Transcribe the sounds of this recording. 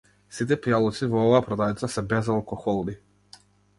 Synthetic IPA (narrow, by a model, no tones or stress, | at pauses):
sit̪ɛpijalˠɔt̪sivɔɔvaːpɾɔd̪avit̪sasɛbɛzalˠkɔxɔlˠni